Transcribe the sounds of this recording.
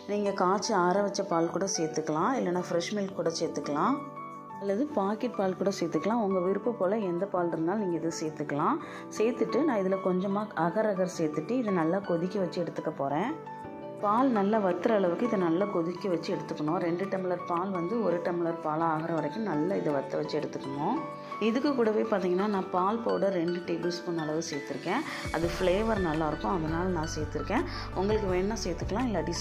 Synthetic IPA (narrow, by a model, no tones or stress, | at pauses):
niːŋɡɐkaːt͡ʃːɯaːɾɐʋɐt͡ʃːɐpaːlkuːɽɐsɛjt̪ːɯkːɐlãːɪlːɐnːaːfɪɾɛʂmɪlkːuːɽɐsɛːt̪ːɯkːɐlãː | ɐlːɐðɯpaːkɪʈ̚paːlkuːɽɐsɛjt̪ːɯkːɐlãːɔŋɡɐʋɪɾɯpːɐpoːlɐɛnd̪ɐpaːlɾɯnd̪aːlniːŋɡɐɪðɯsɛjt̪ːɯkːɐlãː | sɛjt̪ːɯʈːɯnãːɪðɪlɐkɔɲd͡ʒɐmaːʔɐɣɐɾɐɣɐɾsɛjt̪ːɯʈːɯɪðɯnɐlːaːkɔðɪkʲːiʋɐt͡ʃːɯɛɽɯt̪ːɯkːɐpoːɾẽː | paːlnɐlːɐʋɐt̪ːɯɾɐːɭɐʋɯkːɯɪðɐnɐlːɐkɔðɪkːɯʋɐt͡ʃːɯɛɽɯt̪ːɯkːɐɳõːɾɛɳɖɯʈɐmɪlɐɾpaːlʋɐnd̪ɯɔɾɯʈɐmɪlɐɾpaːlaːɣɯɾɐ̃ʋɐɾɐɪkːɯ̃nɐlːɐɪðɐʋɐt̪ːɐʋɐt͡ʃːɯɛɽɯt̪ːɯkːɐɳõː | ɪðɯkːɯkːuːɽɐʋeːpaːɾt̪iːŋɡɐnːaːnãːpaːlpoːɽɐɾɾɛɳɖɯʈeːbɪlspʊnːɐɭɐʋɯseːɾt̪ːɯɾɯkːẽː | ɐðɯfleːʋɐɾnɐlːaːɪɾɯkːʊ̃ɐðɐnaːlɐnãːseːɾt̪ːɪɾɯkːẽː | ʊŋɡɐɭɯkːɯʋeːnːaːseːɾt̪ːɯkːɐlãːɪlːɐɐɽis